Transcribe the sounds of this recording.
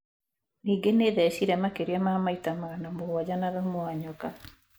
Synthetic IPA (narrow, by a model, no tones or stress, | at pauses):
niːŋɡeneðɛɕiɾɛmakeɾiamamaitamaɾanamoɣwad͡ʑanaðɛmoaɲɔka